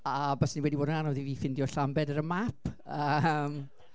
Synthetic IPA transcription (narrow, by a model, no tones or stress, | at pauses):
abasniwɛdiboːdənanɔðiviːfɪndiɔɬambɛdəɾəmapʰəm